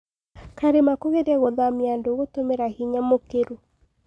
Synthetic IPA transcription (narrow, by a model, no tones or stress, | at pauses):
kaɾemakoɣeɾɛɣoðamiandoɣotomeɾahiɲamokeɾu